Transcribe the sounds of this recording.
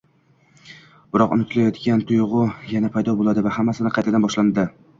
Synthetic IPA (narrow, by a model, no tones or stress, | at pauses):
b̥ɪɾɒqʊnɪt̪ʰɪlajɒt̪kʲant̪ʰʊjʁʊjanapʰajd̪ɒbolˠad̪ɪvahamːasɪnɪqʰɑjt̪ʰad̪anbɒʃland̪ɪ